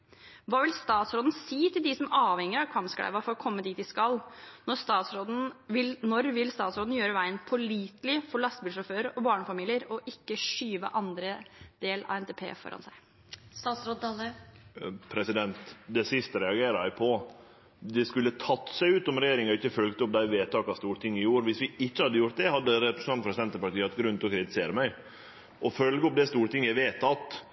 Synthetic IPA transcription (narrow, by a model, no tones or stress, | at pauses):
ʋɑːʋɪlst̪ɑːt̪sɾoːd̪n̩siːt̪ɪld̪ɪsɔmɑːʋhɛŋːəɾɑkʰʋɑmskɽæ̰ʋɑfɔɾɔkʰɔmːəd̪iːt̪̚d̪ɪskɑlnɔɾst̪ɑːt̪sɾoːd̪n̩ʋɪlnɔɾʋɪlst̪ɑːt̪sɾoːd̪n̩jøːɾəʋæɪənpʰɔɭiːt̪lɪfɔɭɑst̪bɪlʂɔføːɾɔbɑːɳəfɑmiːlɪəɾɔʔɪkːəʂyːʋə̰ʔɑnd̪ɾəd̪̥eːlɑ̰ɛnt̪ʰeːpʰḛːfɔ̰ɾɑ̰nsæɪ | st̪ɑːt̪sɾod̪̚d̪ɑlə | pʰɾɛsɪd̪ɛnt̪d̪ɛsɪst̪əɾɛɑɡeːɾəæɪpʰɔ | d̪ɛskʉlːət̪ʰɑt̪ːsæɪʉːt̪ɔmɾɛjeːɾɪŋɔɪçːəfœlɡt̪əɔp̚d̪æɪʋeːt̪ʰːɑːkɑst̪uːɾt̪ʰɪŋːɪjuːɾʋɪsʋɪɪçːəhɑd̪ːəjʊɾt̪̚d̪ɛhɑd̪ːəɾɛpɾəsn̩ɑnt̪pʰɾɛsd̪ɛnt̪əpɑʈiːɑɑɛt̪ɡɾʉnt̪ɔkʰɾɪt̪ɪseːɾəmæɪ | ʔɔfœlɡəɔp̚d̪ɛst̪uːɾt̪ɪŋːjæɪʋeːt̪ːɑt̪